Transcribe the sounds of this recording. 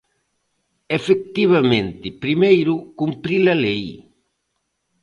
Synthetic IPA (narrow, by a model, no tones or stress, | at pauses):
efek̚t̪iβ̞amẽnt̪ɪpɾimejɾukumpɾilalej